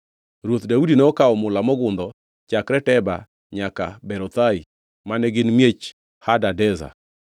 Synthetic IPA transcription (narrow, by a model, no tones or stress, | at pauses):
ɾwot̪daudinɛɔkaɔmʊlamɔɡʊnd̪ɔ | t͡ʃakɾɛtɛba̰ | ɲakabɛɾɔt̪ai | manɛɡɪnmjet͡ʃ | hadadɛza̰